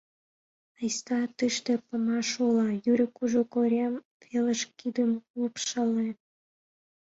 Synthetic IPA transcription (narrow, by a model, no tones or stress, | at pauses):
əjst̪ɑt̪yʃt̪epəmɑʃulɑjyɾʲə̆kuʒokoɾʲɑm | feləʃkid̪əmupʃəle